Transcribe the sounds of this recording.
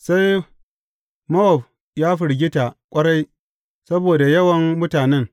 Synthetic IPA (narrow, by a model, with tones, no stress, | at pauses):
sa˦j | mɐ˦ʔɔ˨ɸ | jaː˦ɸɪ˨ɽɡʲɪ˦ta˨kʷʼɐ˦ɽa˦j | sɐ˦boː˨da˨jɐ˦wɐ˨ŋːʊ˦taː˨nɛ˦ŋ